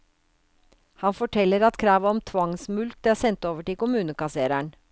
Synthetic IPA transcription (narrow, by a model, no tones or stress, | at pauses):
hɑnfɔʈʰɛlːəɾɑt̪kʰɾɑːʋɔmt̪ʰʋɑŋsmʉlt̪̚d̪æːsɛnt̪oːʋəʈɪlkʊmʉːnəkɑseːɾæɳ